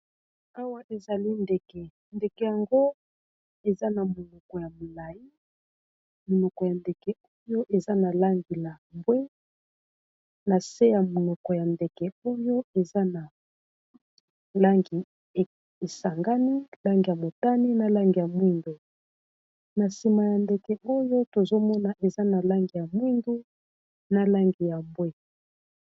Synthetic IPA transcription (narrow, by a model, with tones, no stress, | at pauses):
a˦wa˦ʔe˨za˨li˦ndɛ˨kɛ˨ | nde˨kɛ˨ja˨ŋɡo˦ | e˨za˦na˨mo˨nɔ˨kɔ˨ja˨mo˨la˨i˦ | mo˨nɔ˨kɔ˨ja˨nde˨kɛ˨o˦jo˦ʔe˨za˦na˨la˦ŋɡi˨la˨mbwe˦ | na˨se˦ja˨mo˨nɔ˨kɔ˨ja˨nde˨kɛ˨o˦jo˦e˨za˦na˨ | la˦ŋɡi˨ | e˨sa˨ŋɡa˦ni˦la˦ŋɡi˨ja˨mo˨ta˦ni˦na˨la˦ŋɡi˨ja˨mwi˦ndu˨ | na˨si˨ma˨ja˨nde˨kɛ˨ʔo˦jo˦to˨zo˦mɔ˦na˨ʔe˨za˦na˨la˦ŋɡi˨ja˨mwi˦ndu˦ | na˨la˦ŋɡi˨ja˨mbwe˦